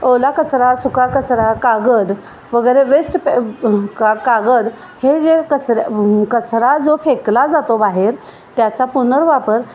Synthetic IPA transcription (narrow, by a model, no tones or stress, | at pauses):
olakət͡sɾasukakət͡sɾakaɡəd̪ | ʋəɡəjɾeʋesʈpkakaɡəd̪ | hed͡ʑekət͡sɾkət͡sɾad͡zofeklad͡zat̪obaɦeɾ | t̪jat͡sapunəɾʋapəɾ